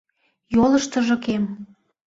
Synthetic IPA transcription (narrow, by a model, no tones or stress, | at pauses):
joləʃt̪ə̆ʒŏkem